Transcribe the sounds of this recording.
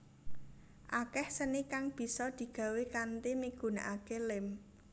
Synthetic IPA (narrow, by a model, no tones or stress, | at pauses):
ʔakɛhsənikaŋb̥i̤sɔd̪̥i̤ɡ̥ä̤wekant̪imiɡ̥ṳnaʔakelɪm